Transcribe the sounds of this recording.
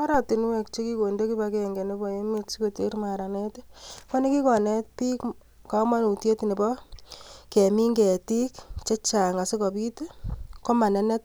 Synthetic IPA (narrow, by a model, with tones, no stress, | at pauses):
a˦ɾa˨ti˨n˦we˨kt͡ʃe˦ki˦ko˨nde˦ki˦bakɛ˦ŋɡe˨ne˦bɔ˨e˦me˦tsi˦ko˨te˦ɾma˨ɾa˨ne˦tka˦ni˦ki˦kɔ˨ne˦t̚pi˦k | ka˦ma˦nu˨tje˦tne˨pɔ˦ | ke˨mi˦ŋɡe˨ti˦kt͡ʃe˦t͡ʃa˨ŋa˨si˦kɔ˨pi˦tko˦ma˨nɛ˦ne˦t̚